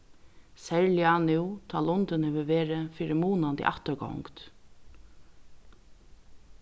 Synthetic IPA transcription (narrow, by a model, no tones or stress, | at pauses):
sɛɹljanut̪ʰɑːlʊnt̪ɪnhɛːʋəʋeːɾɪfiːɾɪmuːnant̪ʰḭʔa̰ht̪əɹɡɔ̰wŋkt̪